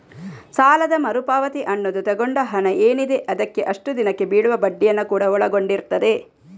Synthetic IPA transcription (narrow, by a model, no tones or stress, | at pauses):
saːlɐd̪ɐmɐɾupaːʋɐt̪iʔɐnːod̪ut̪ɐɡoɳɖɐɦɐnɐʔeːnid̪e̞ʔɐd̪ɐkːe̞ʔɐʂʈud̪inɐkːe̞biːɭuʋɐbɐɖːijɐnːɐkuːɽɐɔɭɐɡoɳɖiɾt̪ɐd̪e̞